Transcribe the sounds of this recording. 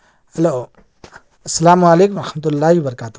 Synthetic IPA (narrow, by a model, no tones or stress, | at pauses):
hɐlo | ɐsːɐlaːmualeːkumɾɐħmət̪̬ulːaːɦibɐɾɐkaːt̪u